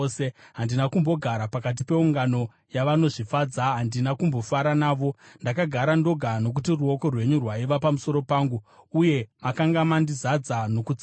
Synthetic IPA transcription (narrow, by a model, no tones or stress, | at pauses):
seɦandinakumbo̞ɡʱaɾapakat̬ipe̞uŋɡano̞ | jaʋano̞ʐifad͡zaɦandinakumbo̞faɾanaːʋo̞ndakaɡʱaɾando̞ɡʱano̞k̬utiruo̞ko̞rwe̞ɲurwaiʋapamuso̞ɾo̞paːŋɡuːje̞makaŋɡamandizad͡zano̞kut͡s